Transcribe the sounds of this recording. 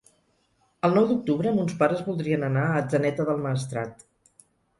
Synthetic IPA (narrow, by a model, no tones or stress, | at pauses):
əlˠnɔwd̪uk̚t̪uβɾəːmunspaɾəzβulˠd̪ɾiənənaəd͡zənɛt̪əðəlˠməːst̪ɾa̰t̪